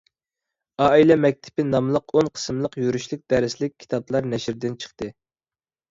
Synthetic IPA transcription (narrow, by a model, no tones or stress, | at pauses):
ɑːilɛmɛk̚ʲt̪ʰɪ̥pɪnɑmlˠəqonqʰə̥smlˠəqjyɾyʃlɪk̚ʲd̪ɛɾɪslɪk̚ʲʰːi̥t̪ʰɑblˠɑɾnɛʃɾd̪ɪnt͡ʃʰə̥χt̪ɨ